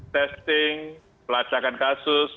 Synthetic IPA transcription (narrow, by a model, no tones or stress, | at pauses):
t̪ɛst̪ɪŋ | pəlat͡ʃakankasʊs